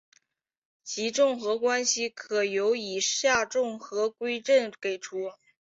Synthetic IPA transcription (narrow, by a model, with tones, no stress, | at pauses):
t͡ɕʰi˧˥ʈ͡ʂʊ˥˩ŋxɤ˧˥kwa˥nɕi˥kʰɤ˨˩jo˧˥ʊi˨˩ɕja˥˧ʈ͡ʂʊ˥˩ŋxɤ˧˥kwe˥ɪʈ͡ʂə˥˩nke˨˩ɪʈ͡ʂʰu˧˥